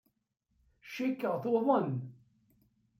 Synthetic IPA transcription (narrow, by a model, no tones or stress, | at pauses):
ʃikːəʁθoðˤən